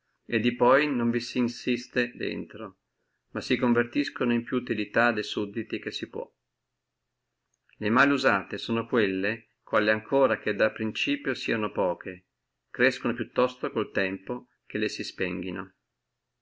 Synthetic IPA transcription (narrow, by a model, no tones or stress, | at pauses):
ed̪ːipɔjnoɱvisinsist̪ed̪ḛnt̪ɾo | masikoɱvert̪iskonoimpjuːt̪ilit̪ad̪ejsud̪ːit̪ik̟esːipwɔ̰ | lemaːleuzaːt̪esoːnokwelːe | kwaːliaŋkʰoːɾak̟ed̪apːɾint͡ʃiːpjosḭanopɔːkʰe | kɾeskonopjut̪ːɔst̪okolt̪ɛmpo | k̟elesispɛŋɡ̟ino̰